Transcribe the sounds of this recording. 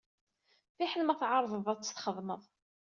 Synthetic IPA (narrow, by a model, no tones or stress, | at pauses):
θiħənmæθʕɑɾˤðˤəðˤæt͡sːə̥θχəðˤməðˤ